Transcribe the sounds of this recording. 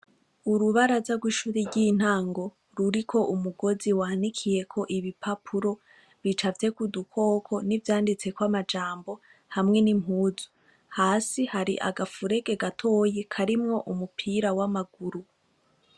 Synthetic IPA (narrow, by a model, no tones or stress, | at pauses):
uɾuβaɾazaɡwiːʃuːɾiɟin̥haːŋɡo̞ | ɾuɾikʰo̞ʔumuɡo̞ziwaːnikʰije̞kʰo̞ʔiβipʰapʰuɾo̞ | βit͡ʃavje̞kudukʰo̞ːkʰo̞nivjaːndit͡se̞kwamad͡ʒaːmbo̞ | hamŋe̞nimɦuːzu̥ | haːsihaɾḭʔa̰ɡafuɾe̞ɡe̞ɡatʰo̞je̞kʰaɾimŋo̞ʔumupʰiɾawamaɡuɾu